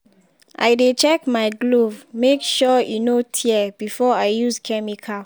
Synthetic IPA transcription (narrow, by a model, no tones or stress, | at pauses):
ʔa̰ɪjdet͡ʃɛkmaɪɡlovmekʃɔjunotʰiɛb̥ifɔaɪjuskʰɛmikʰa